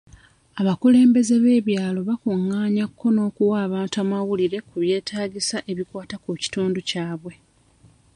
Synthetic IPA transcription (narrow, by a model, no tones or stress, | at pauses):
aβakule̞ːmbe̞ze̞βe̞ːβjaːlo̞βakuŋːaːɲakʰːo̞no̞ːkuwaːβaːntuamawuliɾe̞kuβje̞ːtʰaːɟisaʔe̞βikwaːtakuci̥tuːnducaːβwe̞